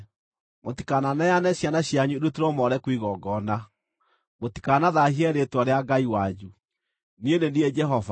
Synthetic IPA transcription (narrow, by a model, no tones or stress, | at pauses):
motikananajanɛɕjanaɕjaɲudutiɾɔmɔɾɛkwiɣɔɡɔna | moti̥kanaðahiɛɾetwaɾeaɡaiwad͡ʒu | niendendiɛd͡ʒɛɦɔva